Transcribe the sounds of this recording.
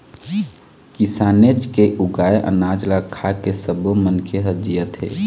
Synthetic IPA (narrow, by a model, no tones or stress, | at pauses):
kɪsaːned͡ʒkeʔʊɡaːeʔə̰naːd͡ʒlakʰakesəbõmənkʰeɦəd͡ʒijət̪ɦḛː